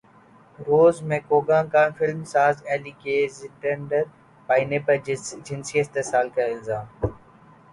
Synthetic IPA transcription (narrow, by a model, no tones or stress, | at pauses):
ɾoːzmẽːkoːɡãːkãːfɪlmsaːzɛːliːkeːzɪʈẽɳɖəɾ | paːineːpɐd͡ʒɪnsiːəst̪esaːlkɐɪlzaːm